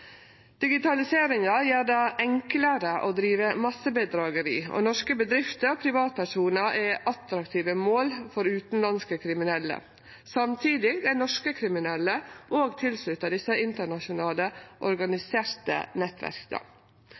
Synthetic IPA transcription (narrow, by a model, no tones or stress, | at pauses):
d̪̥ɪɡɪt̪ʰɑlɪseːɾɪŋɑjeːɾɖɑːʔɛŋkləɾəʔod̪ɾiːʋəmɑsəbəd̪ɾɑːɡəɾḭːɔ̰nɔʂkəbəd̪ɾɪft̪əɾɔpʰɾɪʋɑːt̪̚pʰæʂuːnəʔɛʔɑt̪ɾɑkt̪ʰiːʋəmoːlfɔɾʉːt̪n̩lɑnskəkʰɾɪmɪnɛlːə̰ | sɑmt̪ʰiːd̪ɪɡd̪æɪnɔʂkəkʰɾɪmɪnɛlːəʔoːɡt̪ʰɪlslʉt̪əɖ̪ɪsəɪnt̪əɳɑʃʊnɑːləʔɔɾɡɑnɪseːɾt̪ə̰nɛt̪ʋæ̰ɾkə̰